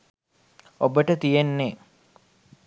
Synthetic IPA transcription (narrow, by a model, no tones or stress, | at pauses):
obəʈət̪ijenːe